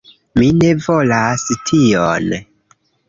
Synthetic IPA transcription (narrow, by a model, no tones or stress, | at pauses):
mine̞vo̞lastʰion